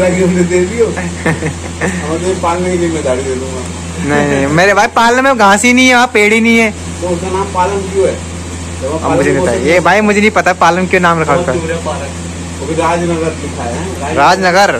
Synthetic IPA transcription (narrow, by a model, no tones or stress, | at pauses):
laɡiʊmd͡ʒed̪eːd̪io | ɐmat̪eipaːlmeikiimɛ̃d̪aːɽid̪eːd̪ũɡaː | nɐɦĩmeːɾebʱaːipaːləmɦɛɡʱãːsinɐĩɦɛapeːɽinɐĩɦɛː | t̪oʊskanaːmpaːləmkjõɦɛː | ɐãmʊd͡ʒʱeĩp̪aebʱaːimʊd͡ʒʱenɐɦĩpɐt̪apaːləmkjõnaːmɾɐkʰaɾapaːɾɐk̪ | okʰiɾaːd͡ʒnɐɡəɾlɪkʰaːja | ɾaːd͡ʒnɐɡəɾ